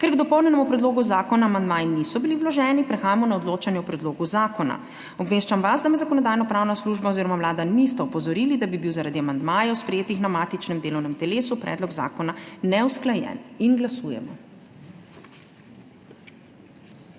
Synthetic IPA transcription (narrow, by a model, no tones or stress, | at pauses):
kɛɾɡd̪ɔpɔwnʲɛnɛmupɾɛd̪loːɡuzaːkɔnaːmand̪maːjinisɔbiliwlɔʒɛnipɾɛxaːjamɔnaɔd̪loːt͡ʃanjɛɔpɾɛd̪loːɡuzaːkɔna̰ | ɔbʋeːʃt͡ʃamʋasd̪amɛzakɔnɔd̪aːjnɔpɾaːwnasluːʒbaoziːɾɔmamlaːd̪anist̪ɛɔpɔzɔɾiːlid̪abibiwzaɾad̪iamand̪majɛɔspɾɛjeːt̪ixnamaːt̪it͡ʃnɛmd̪eːlɔwnɛmt̪ɛleːsupɾɛ̰d̪lɔɡza̰ːkɔnanɛwsklajɛ̰ninɡlasuːjɛ̰mɔ̰